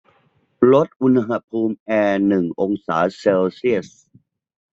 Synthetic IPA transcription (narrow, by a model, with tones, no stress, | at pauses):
lo˦˥t̪̚ʔu˧nɦa˧˥pʰuː˧mʔɛː˧nɯ˨˩ŋʔo˧ŋsa̰ː˩˦seː˧wsi˥˩əs